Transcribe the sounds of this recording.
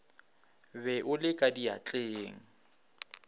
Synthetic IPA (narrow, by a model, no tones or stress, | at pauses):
bɛʔʊlɪkʼadia̰t͡ɬʼeːŋ̩